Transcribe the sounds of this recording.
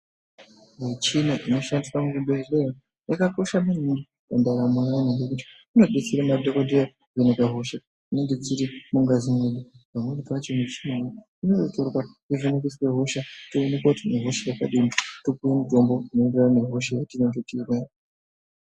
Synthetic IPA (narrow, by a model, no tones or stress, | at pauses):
wet͡ʃinaʔino̞ʃandiswamukuɓerera | jakako̞ʃamanindi | andaɾamuaniŋɡekuti̥ | uno̞ɗesiɾamadʱokodia | ɡenekaɦo̞ʃa | ineŋɡet͡siɾimuŋɡazimeɗibamwenitat͡ʃenet͡ʃiimo | unototorwakeʐonekesweɦo̞ʃatoːne̞kwautineɦo̞ʃajakaɗimitokuwemudo̞mboinenderane̞ɦo̞ʃajatinototirwa